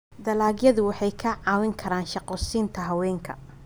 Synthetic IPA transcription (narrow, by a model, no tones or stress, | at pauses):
d̪ɐlaːɡjɐðʊwɑħɑjkʰɐʕɑːwɪŋkʰɐɾaːnʃɑqɔːsiːnt̪ʰɐɦɐwɛːŋkʰɐ̰